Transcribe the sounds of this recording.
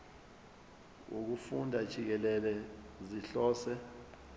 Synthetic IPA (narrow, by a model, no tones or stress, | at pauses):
ṵk̬ufundʱad̥ʒ̥ʱik̬ɛlɛlɛ | ziɬɔːsɛ